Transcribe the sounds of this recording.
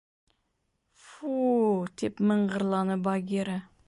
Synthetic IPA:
fud̪ʰepməɴɢəɾlˠɑnəbɑɡʲeɾa

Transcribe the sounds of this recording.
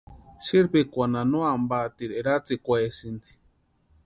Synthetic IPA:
ʃiɾpikʷananoambat̪iɾeɾat͡sikʷesind̪i̥

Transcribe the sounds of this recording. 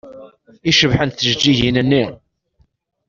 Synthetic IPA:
iʃəvħənθəʒd͡ʒːiʝinənːi

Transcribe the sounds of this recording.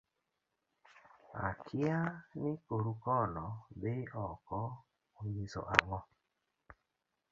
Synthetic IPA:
a̰kʰɪanɪkoɾukɔnɔbeʔɔkɔ | oɲizɔ̰ʔaŋɔ

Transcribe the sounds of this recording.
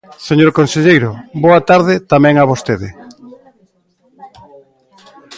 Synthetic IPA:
seɲoɾkonseʎejɾʊboɐt̪aɾðɪt̪amɛ̃ŋaβost̪eðɪ

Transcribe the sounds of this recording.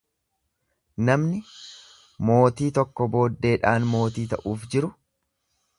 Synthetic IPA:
nɐmnɪ | mo̞ːt̪iːt̪ɔkːɔbo̞ːd̪ːe̞ːᶑaːnmo̞ːt̪iːt̪ɐ̰ʔuːfd͡ʒɪɾʊ

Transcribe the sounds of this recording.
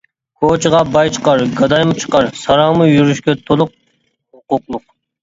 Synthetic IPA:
kʰot͡ʃʰɨʁɑbɑjt͡ʃʰə̥qɑɾɡɑd̪ɑjmɨt͡ʃʰə̥qɑɾsɑɾɑmɨjyɾyʃkʲɛt̪ʰolˠʊq̚ | hʊqʊqlˠʊq̚

